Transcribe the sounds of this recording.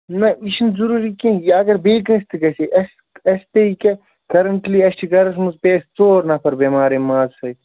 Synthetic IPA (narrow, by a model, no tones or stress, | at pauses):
nɐiʃinzuɾuɾikẽjɐɡɐɾbeːkɐst̪ʰiɡɐseʔɐs | ɐst̪eike | kɐɾɐɳʈliɐsʈʰiɡɐɾɐsmuzpeːst͡soːɾnɐpʰɐɾbemaːɾemaːzhɐj